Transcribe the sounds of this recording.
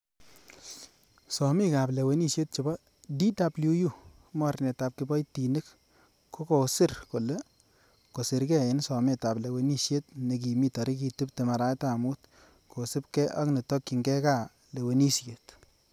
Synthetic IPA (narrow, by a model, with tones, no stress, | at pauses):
sɔ˨mɪ˦ka˨ble˨we˦ni˦sje˦t̚t͡ʃʊ˨bɔ˦ | di˦da˨blu˦ju˦˨ | mɔ˦ɾnɛ˨ta˨p̚kɪ˨bɔ˦jti˨nɪ˦k | kːo˦ko˨sɪ˦ɾko˨le˦ | ko˨sɪ˨ɾkɛ˦˨ɪ˨˦nsɔ˨me˦˨ta˨ble˨we˨˦ni˦ʃje˦tne˨k̬i˨mi˦tɔ˨ɾi˦ki˧tu˦p̚te˨ma˨ɾa˨˦ta˨mu˦t | kʰo˨sɪ˦p̚kɛ˦ʔa̰˦knɪ˨tɔ˦kːi˨ŋɡɛ˦ka˦˨ | le˨we˨ni˦sje˨t